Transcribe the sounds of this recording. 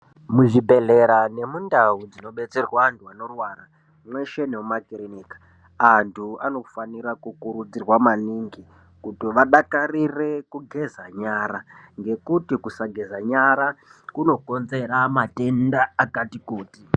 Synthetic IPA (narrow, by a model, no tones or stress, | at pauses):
muʐibʱe̞ɮe̞ɾane̞mundaud͡zino̞ɓe̞t͡se̞rwaːntuano̞rwaːra | mwe̞ʃe̞neumakirenikḁ | antʰuano̞faniɾakukuɾud͡zirwamaniŋɡi | kutiʋaɗakarirekuɡʱe̞zaɲaːɾaŋɡe̞kutikusaɡʱezaɲaɾakuno̞ko̞nze̞ɾamate̞ndaːkatikoːti